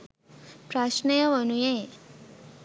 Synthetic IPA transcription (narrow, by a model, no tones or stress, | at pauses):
pɾaʃnejəʋənuje